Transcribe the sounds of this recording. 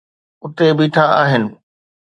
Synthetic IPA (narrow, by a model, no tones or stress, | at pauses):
ʊt̪ebiːʈʰaaːɦɪnɪ̆